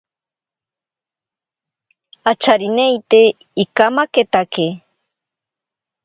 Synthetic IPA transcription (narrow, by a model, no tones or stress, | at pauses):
at͡ʃaɾinejt̪e | ikamaket̪ake